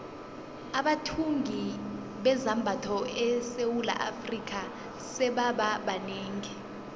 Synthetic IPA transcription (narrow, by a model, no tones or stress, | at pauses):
aɓatʰuŋɡʱi | ɓɛzambʱatʰɔɛsewula̰ʔa̰frik̬ʰʼa | sɛɓaɓaɓaneːŋɛ